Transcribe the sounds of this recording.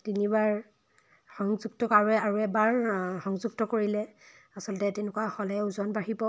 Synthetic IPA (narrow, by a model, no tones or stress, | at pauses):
tinibaɹ | xɔŋzuɡtɔkaɹuɛaɹuɛbaɹxɔŋzuɡ̚tɔkoɹilɛ | asɔlɔtɛtɛnʊkuwaxɔlɛuzɔnbaɦibɔ